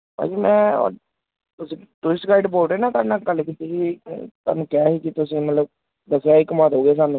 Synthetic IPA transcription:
pa̰ːd͡ʒiːmɛ̰̃ː | t̪ʊsĩːt̪ʊɪskaːɪɖpoːʈeːnãːt̪anaːkəlkit̪ikit̪a̰ːnũːkɛːɦiːkɪt̪ʊsĩːmət̪ləb̚ | d̪əsejaːɪkmaːt̪ɦoːɡeːs̬aːnũː

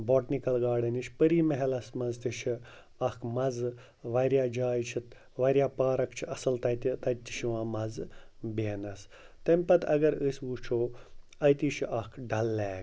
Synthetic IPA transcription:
boːʈnikɐlɡaːɽɐniʃʲpəɾiːmɐɦelɐsmɐzt̪iʃʰi | ɐkʰmɐz | ʋɐɾjaːd͡ʒaːjt͡ʃʰit̪ | ʋɐɾʲjaːpaːɾɐkt͡ʃʰiɐsɐlt̪ɐjt̪it̪ɐt̪ːi̥ʃʰiʋãːmɐzbeːnɐs | t̪ɐmʲpɐt̪ʰɐ̰ɡɐɾəsʲʋuːt͡ʃʰoː | ɐjt̪iːt͡ʃʰiʔɐkʰɖɐlːɛːk

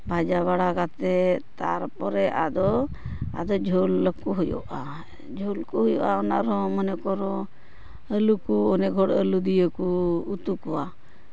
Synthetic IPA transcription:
bʱad͡ʒaβaɽakat̪ɛt̪a̰ɾpɔɾɛʔa̰d̪ɔ | a̰d̪ɔd͡ʒʱɔləkɔɦujɔ̰ʔa | d͡ʒʱolkuɦujɔ̰ʔaɔnaʔɾɔmənɛkɔɾɔ | əlukuɔnɛɡʱɔɽəlud̪ijəkuːt̪ukɔwa

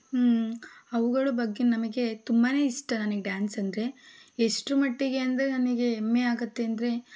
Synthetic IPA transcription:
ɐʋuɡɐɭubɐɡːenɐmɐɡe̞t̪umbaːne̞ːiʂʈɐnɐnɐɡeɖjaːnsɐnd̪ɐɾe̞eʂʈumɐʈːiɡe̞ɐnd̪ɐɾenɐnɐɡe̞ːmːeaːɡɐt̪ːe̞ɐnd̪ɐɾe̞

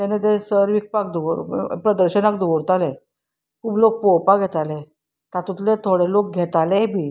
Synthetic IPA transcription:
t̪ɛnet̪esəɾʋik̚pak̚d̪uɾpɾəd̪əɾɕənakd̪ʱuʋoɾt̪ale | kʰuːblok̚popaɡʱet̪ale | t̪at̪ut̪let̪ʰoɽelok̚ɡʱet̪alebʱiː

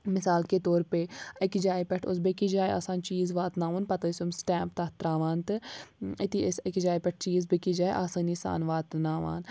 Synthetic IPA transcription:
mɪsaːlket̪oːɾpeɐkd͡ʒaːipɛʈʰʊ̰sbekid͡ʒaːja̰ːsaːnt͡ʃiːzʋaːt̪naːʋunpɐt̪ɐsumsʈɛ̃ːmp̚t̪ɐt̪ɾaːʋaːnt̪ɨɪt̪iɪsɐkd͡ʒaːipɛʈ̚ʰt͡ʃiːzbekid͡ʒaːʔaːsaːnisa̰ːnʋaːt̪naːʋa̰ːn

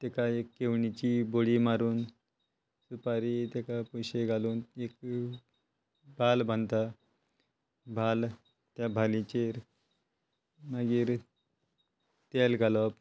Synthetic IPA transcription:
t̪ekaekːeʋɳit͡ɕiːboɽimaɾuːn | supaɾit̪ekapɔjɕeɡʱaluːnek | bʱalbʱant̪a | bʱal | t̪jabʱalit͡ɕeɾ | maɡiːɾ | t̪elɡʱalɔp

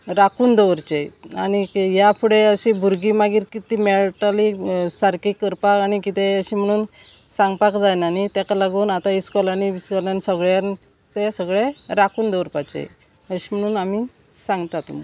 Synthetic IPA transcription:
ɾakuːnd̪əʋɾt͡ɕejaɽ̃ijapʰuɽeəɕibʱuɾɡimaɡiːɾkit̪imeɭʈalisaɾkikːəɾpakaɽ̃ikit̪eəɕim̤əɽ̃uːn | saŋɡpakd͡zajnanit̪ɛkalaɡuːnat̪aiskɔlaniiskɔlanisəɡɭjan | t̪esəɡɭeɾakuːnd̪əʋɾpat͡ɕḛj | əɕim̤əɽ̃uːnami | sãŋɡt̪at̪ṵm

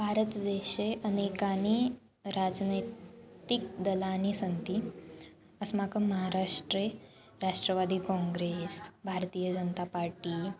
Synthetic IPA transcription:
bʱaɾət̪d̪eɕeʔənekani | ɾad͡znəjt̪ik̚d̪əlanisənt̪i | əsmakəməɦaɾaʂʈɾe | ɾaʂʈɾəʋad̪iːkɔ̃ŋɡɾesbʱaɾt̪ijəd͡ʑənət̪apaɾʈiː

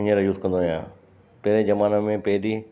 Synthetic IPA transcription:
ɲəɾjuzkɐ̃nd̪ojã̰ː | pɐɦɾed͡ʑɐmaːnəmẽpɐɦɪɾi

